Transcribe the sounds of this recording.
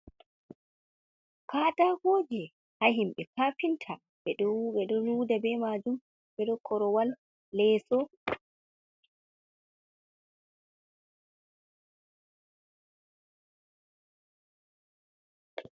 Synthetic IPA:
kaːtahoːd͡ʒɛ | hahimɓɛkaːfintʰa | ɓɛɗɔɓɛɗɔluːdabɛmad͡ʒum | bɛɗɔkʰɔɾɔwalː | ɛːsɔ

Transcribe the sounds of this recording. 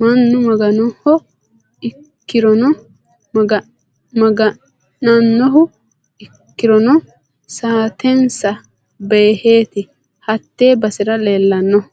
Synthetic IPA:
mɐnːʊmɐɡɐnɔhɔ | ɪ | kkːɪɾɔnɔ | ɡɐ | mɐɡɐ | nɐnːɔɦʊ | ɪkːɪɾɔnɔ | saːt̪ʰɛnsɐ | be̞ːheːt̪ɪ | hɐt̪ːe̞ːbɐsɪɾɐle̞ːlːɐnːɔhʊ

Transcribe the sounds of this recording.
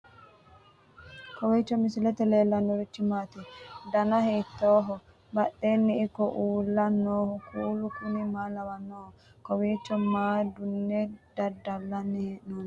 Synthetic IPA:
kɔwiːt͡ʃːɔmɪsɪlɛt̪ɛleːlːɐnːɔɾɪt͡ʃːɪmaːt̪id̪ɐnɐheːt̪ːoːɦɔ | bɐɗːeːnːɪɪkːɔʔuːlːɐnːoːhɔkuːlʊkʊnɪmaːlɐwɐnːoːhɔkɔwiːt͡ʃːɔmaːd̪ʊnːɛd̪̥ɐdɐlːɐnːɛheʔnoːn

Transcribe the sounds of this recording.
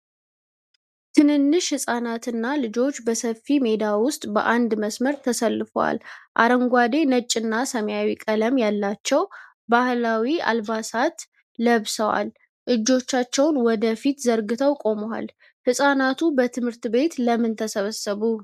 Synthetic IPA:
t̪ʰɨnɨnːɨʃhɨsʼanat̪ɨnːalɨd͡ʒo̞t͡ʃːbəsəfːime̞d̪awʊst̪ʼbə̰ʔand̪məsməɾt̪ʰəsəlːɨfə̰wa̰lʔa̰ɾəŋɡʷad̪e̞nət͡ʃʼːɨnːasəmjawikʼələmjalːat͡ʃːɛw | bahlawia̰lbasat̪ | ləβsəwa̰l | ʔɨd͡ʒːo̞t͡ʃːat͡ʃːɛwnwɔd̪əfit̪zəɾɡɨt̪ʰəwkʼo̞məwa̰l | hɨsʼanat̪ʰubət̪ʰɨmhɨɾt̪be̞t̪ləmːɨnt̪ʰəsəβəsəβu

